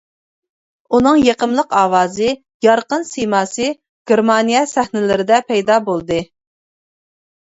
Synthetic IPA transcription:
unɨŋjeqəmlˠəqɑːwɑːzɨ | jɑɾqənsemɑːsɨ | ɡ̥ʲeɾmɑnijɛsæχnɪlɪɾɪd̪ɛpʰɛjd̪ɑbolˠd̪ɨ

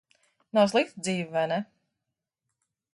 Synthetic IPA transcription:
nɔs̬lˠift̪̚d̪ziːvvɛnɛ

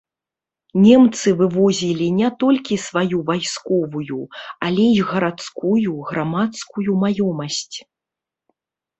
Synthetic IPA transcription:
nʲɛmt̪sɨvɨvɔzʲilʲinʲɛt̪ɔlʲkʲisvajuvajskɔvujuɐlʲɛiɣɐɾat̪skujuɣɾamat̪skujumajɔmɐsʲt͡sʲ

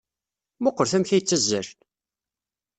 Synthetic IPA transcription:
moqːəɾθæmçæjt͡sːæzːæɾ

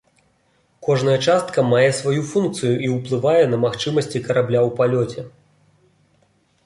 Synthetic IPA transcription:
kɔʐnɐjɐt͡ʂast̪kɐmajɛsvajufunk̚t̪sɨjuʔiwplˠɨvajɛnɐmaxt͡ʂɨmɐsʲt͡sʲikɐɾablʲawpalʲɔt͡sʲɛ

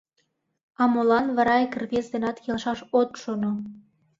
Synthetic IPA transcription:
ɑmolɑnβɑɾɑekrβʲesd̪enɑt̪jelʃɑʃot̪ʃono

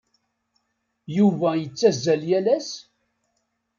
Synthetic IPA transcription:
juvæjət͡sːæzːæljælæs

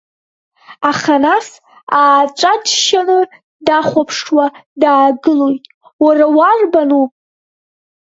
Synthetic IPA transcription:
aχanas | aːt͡ʃʷʼad͡ʒʃanɨ | daχʷapʰʂwadaːɡɨlojtʼ | warawarbanu

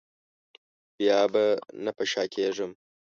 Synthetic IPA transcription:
b̥ijaːbɐnɐpɐʃaːkʰʲeːʒɨm

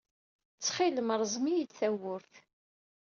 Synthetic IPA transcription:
t͡sːχiləmɾˤzˤmijid̪θæwʊɾθ

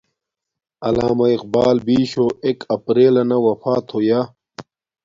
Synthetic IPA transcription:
ɐlaːmɐiq̚baːlbiːɕoekɐpɾeːlɐnɐwɐfaːt̪ʰoja

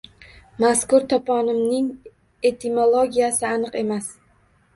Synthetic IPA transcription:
maskʊɾt̪ʰɒpʰɒnɪmnɪŋ | e̞t̪ʰimolˠoɡʲijasɪanɨqe̞mas

